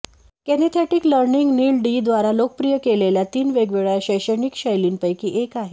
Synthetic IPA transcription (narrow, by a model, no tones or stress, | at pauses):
kenet̪ʰɛʈiːkləɾniŋɡniːlɖiːd̪ʋaɾalokəpɾijəkeleljat̪iːnʋeɡʋeɭaɕəjɕəɳikɕəjliːnpəjkiːʔekaɦe